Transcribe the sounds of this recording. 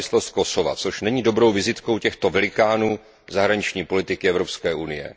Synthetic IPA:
ɪslost̪̚ko̞so̞va̰t͡so̞ʃnɛɲiːdo̞bɾo̞wvɪzɪt̪ko̞wcɛxt̪o̞vɛlɪkaːnuː | zaɦɾaɲɪt͡ʃɲiːpo̞lɪt̪ɪkɪɛvɾo̞pskɛːʔunɪjɛ̰

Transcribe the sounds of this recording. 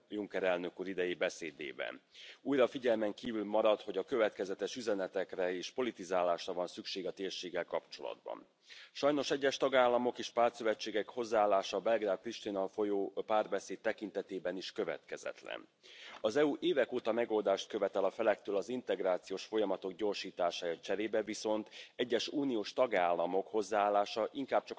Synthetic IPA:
juŋkɛɾɛlnø̞kuːɾid̪ɛjeːbɛseːd̪ḛːbɛ̰nuːjɾɒfiɟɛlmɛŋkiːvylmɒɾɒt̪ho̞ɟɒkø̞vɛt̪kɛzɛt̪ɛʃyzɛnɛt̪ɛkrɛeːʃpo̞lit̪izaːlaːʃrɒvɒnsykʃeːɡɒt̪eːrʃeːɡːɛlkɒpt͡ʃo̞lɒ̰d̪bɒ̰n | ʃɒjno̞ʃɛɟːɛʃt̪ɒɡaːlːɒmo̞keːʃpaːrt̪søvɛt͡ʃːeːɡɛkho̞zːaaːlːaːʃɒbɛlɡraːd̪̚pɾiʃt̪inɒlfojoːpaːrbɛseːt̪̚t̪ːɛkint̪ɛt̪eːbɛniʃkø̞vɛ̰t̪kɛzɛ̰t̪lɛ̰n | ɒzɛuʔeːvɛkoːt̪ɒmɛɡo̞ld̪aːʃt̪̚kø̞vɛt̪ɛlɒfɛlɛk̚t̪øːlɒzint̪ɛɡraːt̪sijoːʃfo̞jɒmɒt̪o̞ɡɟo̞rʃiːt̪aːʃaːjɒt͡ʃɛɾeːbɛviso̞nt̪ɛɟːɛʃuːnijoːʃt̪ɒɡaːlːɒmo̞kho̞zːaaːlːaːʃɒʔiŋkaːb̥̚t͡ʃɒk

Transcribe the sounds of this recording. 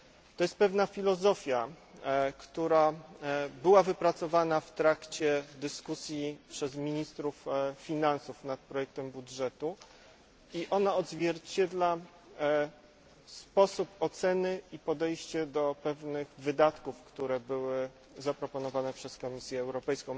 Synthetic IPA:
t̪ɔjɛst̪̚pɛvnafʲilɔzɔfʲja | kt̪uɾa | bɘwavɘpɾat̪sɔvanaft̪ɾakt͡ɕɛd̪ɘskusʲjipʂɛzmʲiɲist̪ɾufːʲinansufnat̪̚pɾɔjɛk̚t̪ɛmbud̪ʐɛt̪u | iʔɔnaɔd̪zvʲjɛɾt͡ɕɛd̪la | spɔsupɔt̪sɛnɘipɔd̪ɛjɕt͡ɕɛd̪ɔpɛvnɘɣvɘd̪at̪kufkt̪uɾɛbɘwɘ | zapɾɔpɔnɔvanɛpʂɛskɔmʲisʲjɛːwɾɔpɛjskɔ̃w̃

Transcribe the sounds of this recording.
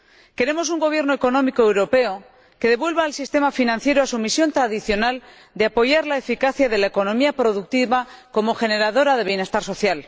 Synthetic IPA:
ke̞ɾe̞mo̞s̬uŋɡo̞β̞je̞ɾnoeko̞nomikoewɾo̞pe̞o | ke̞ð̞e̞βwe̞lβaːlsist̪e̞mafinãn̟θje̞ɾoasumisjo̞nt̪ɾaðiθjo̞nal | d̪eapo̞ʝaɾlaefikaθjaðe̞lae̞ko̞nõ̞miapɾo̞ðuk̚t̪iβako̞mo̞xe̞ne̞ɾaðo̞ɾað̞e̞βje̞ne̞st̪aɾso̞θjal

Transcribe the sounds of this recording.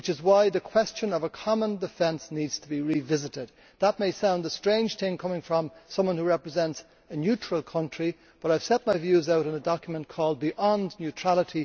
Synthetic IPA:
wɨt͡ʃɨzwaɪðɨkʰw̥ɛst͡ʃɨ̃nʌvəkʰɑmə̃ndɨfɛ̃nsnidz̥tʰəbiɹivɪzɨɾɪd̪̚ | ðət̚meɪsãʊ̃ndəstɹ̥ẽɪ̃nd͡ʒ̥θɪ̃ŋkʰʌ̃mɪ̃ŋfɹʌ̃msʌ̃mwʌ̃nhuɹɛpɹɨzɛ̃nts | ɨnjʉt͡ʃɹ̥əl̩ˠkʰʌ̃nt͡ʃɹ̥i | b̥ʌɾaɪv̥sɛt̚maɪvjʉzaʊɾɨ̃nədɑkjmə̃nkʰɔːlˠd̚biʔɑ̃nnjʉtʰɹ̥alˠəɾi

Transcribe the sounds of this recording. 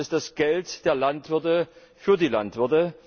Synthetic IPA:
ɪsd̥asɡ̥ɛltd̥eːɐlantv̥ɪɐtə | fyːɐdiːla̰ntv̥ɪɐtə

